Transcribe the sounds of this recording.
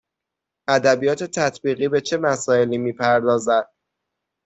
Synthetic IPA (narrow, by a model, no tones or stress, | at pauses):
ʔæd̪æbijɒːt̪ʰe̞t̪ʰæt̪ʰbiːɣiːbe̞t͡ʃʰe̞mæsɒːe̞liːmiːpʰæɾd̪ɒːzæd̪̥̚